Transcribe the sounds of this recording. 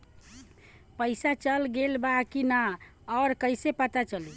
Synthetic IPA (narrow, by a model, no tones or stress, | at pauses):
pəɪsat͡ʃəlɡelbakinaɔɾkəɪsepət̪at͡ʃəli